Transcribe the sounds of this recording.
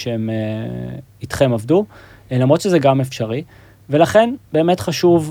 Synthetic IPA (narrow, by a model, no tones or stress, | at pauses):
ʃeem | itχemovdu | lamʁot̪ʃezɛɡamefʃaʁi | velaχe̞nbe̞ːmetχaʃuv